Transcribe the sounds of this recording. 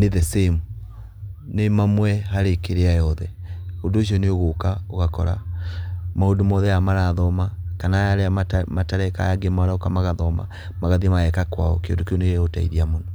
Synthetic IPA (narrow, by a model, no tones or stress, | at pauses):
neðɛsem | nemamwɛɦaɾekeɾeajɔðɛondoʃ̬iɔneoɣokaoɣakɔ̰ɾa̰ | maodomɔðɛjamaɾaðɔmakanajaɾeaamataɾɛka̰jaɡemaɾaokamaɣaðɔma̰ | maɣaðimaɛkakwa̰ɔ̰kejo̰ndokjoneɣeota̰ḭðiamonɔ